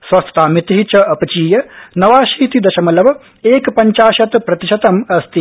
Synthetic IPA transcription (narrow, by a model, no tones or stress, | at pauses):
sʋɐst̪t̪aːmit̪ɐɦit͡ʃɐɐpɐt͡ʃiːjɐnɐʋaːʃiːt̪id̪ɐʃɐmɐlɐʋɐ | eːkpɐɲt͡ʃaːʃɐt̪pɾɐt̪iʃɐt̪ɐmɐst̪i